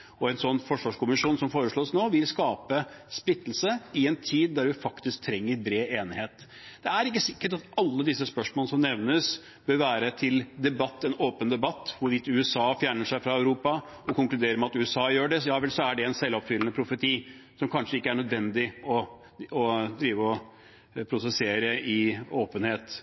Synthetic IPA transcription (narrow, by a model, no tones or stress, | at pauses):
ɔɛnsɔnːfɔʂʋɑːʂkʊmɪʂuːnsɔmfoːɾəʂɭoːsnoːʋɪlskɑːpəspɾɪt̪ːl̩səɪɛnt̪ʰiːd̪ːæɾʋɪfɑkt̪ɪsk̚t̪ʰɾɛŋːəɾbɾeːeːnɪheːt̪ | d̪̥ɛæɾɪkːəsɪkːəʈɑt̪ɑlːəd̪ɪsːəspœʂmoːləsɔmnɛʋnəs | b̥øɾʋæːɾət̪ʰɪld̪ɛbɑt̪ːɛnoːpənd̪ɛbɑt̪ːʋʊɾʋɪt̪ʉɛsɑːfjæːɳəʂæɪfɾɑœʉɾuːpɑ | ɔkʊŋklʉd̪eːɾəmɛɑt̪ʉːɛsɑːjøːɖɛjɑːʋɛlsɔæɖɛɛnsɛlːɔpfʏlənəpʰɾʊfət̪ʰiː | sɔmkʰɑnʂəɪkːəæɳœd̪ʋɛnd̪ɪɔ | ɔd̪ɾiːʋəɔ | pʰɾʊsɛseːɾəɪoːpənheːt̪